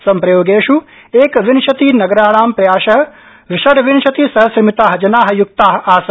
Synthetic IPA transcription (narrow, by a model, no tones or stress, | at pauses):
sɐmpɾɐjoːɡeːʃu | eːkʋinʃɐt̪inɐɡɐɾaːɽaːmpɾɐjaːʃɐɦɐ̆ | ʋɪʃɐɽʋɪnʃɐt̪isɐɦɐsɾimit̪aːɦɐd͡ʒɐnaːɦɐjukt̪aːɦɐ̆aːs